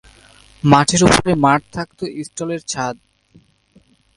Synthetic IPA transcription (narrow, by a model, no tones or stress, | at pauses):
maʈʰeɾupoɾemaʈt̪ʰak̚t̪oʔisʈoleɾt͡ɕʰad̪̚